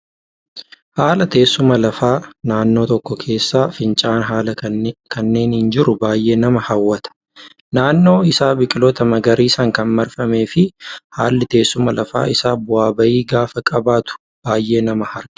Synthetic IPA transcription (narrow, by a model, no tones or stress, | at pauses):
haːlɐt̪e̞ːsːʊmɐlɐfaːnaːnːo̞ːt̪ɔkːɔkʰe̞ːsːaːfɪnt͡ʃʼaːnɦaːlɐkɐnːe̞ːnhɪnd͡ʒɪɾʊbaːjʔe̞ːnɐmɐhɐwːɐt̪ɐ̥ | naːnːo̞ːɪsaːbɪkʼɪloːt̪ɐmɐɡɐɾiːsɐŋkɐnmɐɾfɐme̞ːfɪha̰ːlːɪt̪e̞ːsːʊmɐlʔɐfa̰ːɪsaːbʊaːbɐʔiːɡaːfɐkʼɐbaːt̪ʊ̥ | b̥aːjʔe̞ːnɐmɐhɐɾkʼɐ̥